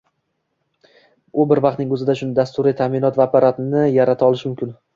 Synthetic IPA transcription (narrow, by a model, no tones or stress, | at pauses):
ʊbɪɾvɑq̚t̪nɪŋɵzɪd̪aʃʊnɪd̪ast̪ʊɾɪt̪ʰamɪnɒt̪vaːpʰaɾat̪nɪjaɾat̪ʰaɒlˠɪʃmʊmkʲɪn